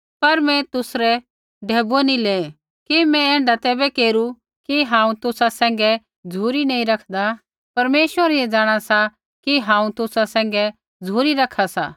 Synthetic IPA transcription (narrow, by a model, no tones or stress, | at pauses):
pɐɾmɛ̃t̪ʊsɾɛ | ɖʱeːbonĩleː | kimɛ̃ɛ̃ːɳɖat̪ɛːbɛkeːɾu | kiɦãːũt̪ʊsasɛ̃ːŋ̆ɡɛ | d͡zʱuːɾinɐĩɾɐkʰd̪a | pɐɾmeːʃʋəɾɛed͡zaːɽ̃asa | kiɦãːũt̪ʊsasɛ̃ːŋ̆ɡɛ | d͡zʱuːɾiɾɐkʰːasa̰ː